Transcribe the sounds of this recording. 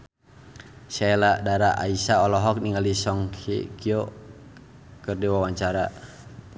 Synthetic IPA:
sɛladaɾaʔa̰isaɔlɔɦɔk̚niŋalisɔŋkḭkiɔ | kərdiwawaɲt͡ʃaɾa

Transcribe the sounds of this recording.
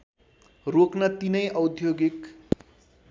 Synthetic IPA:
roknʌt̪inʌjʔʌwd̪ʱjoɡik

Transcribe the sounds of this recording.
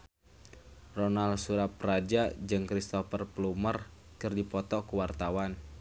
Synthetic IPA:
rɔnalsuɾapɾad͡ʒad͡ʒɨŋkɾist̪ɔfərplumər | kɨrdipɔt̪ɔkuwart̪awan

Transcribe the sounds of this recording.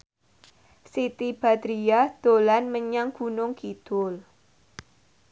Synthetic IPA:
sit̪ib̥a̤t̪ɾiad̪̥olanməɲaŋɡ̥ṳnʊŋkid̪̥ʊl

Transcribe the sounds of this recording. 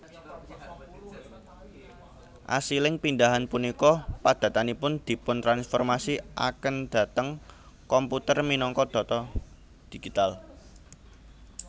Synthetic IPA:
ʔa̰silɪŋpindaɦanpunikɔpad̪̥ä̤t̪anipʊnd̪̥i̤pʊnt̪ɾansfɔrmasiʔa̰kənd̪̥ä̤t̪əŋ | kɔmput̪ərminɔŋkɔd̪̥ɔ̤t̪ɔ | d̪̥i̤ɡ̥it̪al

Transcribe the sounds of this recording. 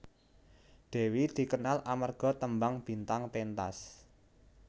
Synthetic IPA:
ɖ̪̥e̤wid̪̥i̤kənalʔamarɡ̥ɔ̤t̪əmbaŋb̥i̤nt̪aŋpent̪a̰s

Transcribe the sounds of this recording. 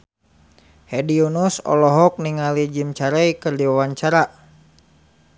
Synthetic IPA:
hɛdiunusɔ̰lɔɦɔk̚niŋalid͡ʒimt͡ʃaɾaikɨrdiwawaɲt͡ʃaɾaʔ

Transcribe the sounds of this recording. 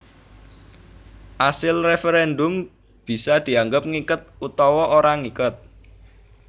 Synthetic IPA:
ʔasɪlrefeɾɛnd̪ʊm | b̥i̤sad̪̥i̤aŋɡəp̚ŋikət̪̚ut̪ɔwɔʔoɾaŋikʊt̪̚

